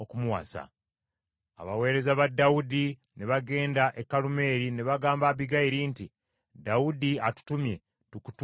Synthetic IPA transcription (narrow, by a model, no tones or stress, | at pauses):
okumuwa̰sa̰ | a̰βawe̞ːɾe̞zaβadːawudi | neβaɡe̞ːndaʔe̞kːalume̞ːɾineβaɡaːmbaβiɡaiɾiːnti | dawudiatu̥tumje̞ | tuku̥tu